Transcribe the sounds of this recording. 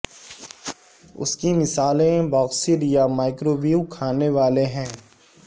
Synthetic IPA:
ʊ̰skimɪsaːlẽbɔːksiɾjamaːɪkɾoːʋiukʰaːneʋaːleɦɛ̃ː

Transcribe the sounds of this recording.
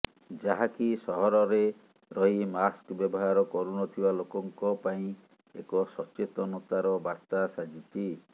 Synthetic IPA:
d͡ʒaɦakisɔɦɔɾɔɾe | ɾɔɦimaskbjɔbɔɦaɾɔkɔɾunɔt̪ʰibalokɔŋkɔpaĩ | ḛkɔsɔt͡ʃet̪ɔnɔt̪aɾɔbaɾt̪asad͡ʒit͡ʃʰi

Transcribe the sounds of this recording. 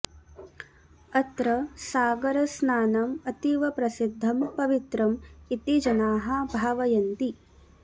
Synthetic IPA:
ɐt̪ɾɐsaːɡɐɾɐsnaːnɐmɐt̪iʋɐpɾɐsid̪ʱːɐmpɐʋit̪ɾɐmit̪id͡ʒɐnaːɦɐ̆bʱaːʋɐjɐnt̪i

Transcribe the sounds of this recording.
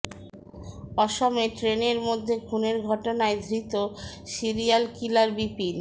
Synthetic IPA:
ɔʃɔmeʈɾeneɾmod̪ʱːekʰuneɾɡʱɔʈonaed̪ʱɾit̪o | siɾijalkilaɾbipil

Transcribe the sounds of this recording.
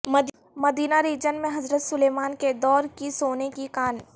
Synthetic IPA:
mɐd̪ | mɐd̪iːnaɾiːd͡ʒənmẽɦɐzɾət̪sʊleːmaːnked̪ɔːɾkisoːnekikaːn

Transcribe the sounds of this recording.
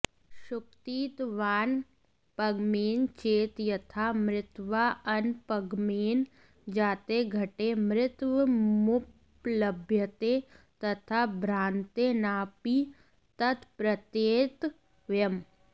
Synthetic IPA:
ʃʊkt̪iːt̪ʋaːn | pɐɡmeːnt͡ʃeːt̪jɐt̪ʰaːmɾɪt̪ʋaːʔɐnpəɡmeːn | d͡ʒaːt̪eɡʱɐʈemɾɪt̪wəmʊp | ləbʱjət̪e | t̪ɐt̪ʰaːbʱɾãːnt̪enaːpi | t̪ɐt̪ʰpɾət̪eːt̪ | ʋjəm

